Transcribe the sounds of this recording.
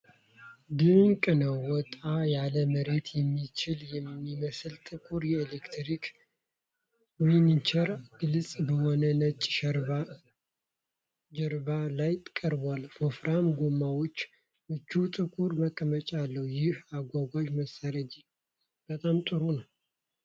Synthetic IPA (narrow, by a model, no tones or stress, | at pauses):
d̪ɨŋkʼɨnəwːɔt̪ʼajaləməɾe̞t̪ʰjɛmːit͡ʃɪljɛmːiməsɨlt̪ʼɨkʼuɾjɛelekt̪ʰɾikʰ | winint͡ʃʰəɾɡɨlt͡sʼbəhonənət͡ʃʼːʃəɾba | d͡ʒəɾbalajt̪ʼkʼːəɾbalfofɾamɡomːawot͡ʃː | mɨt͡ʃːut̪ʼɨkʼuɾməkʼːəmət͡ʃʼalːəhujɪhaɡʷaɡʷad͡ʒməsaɾəd͡ʒi | b̥ət̪ʼamt̪ʼɨɾonəw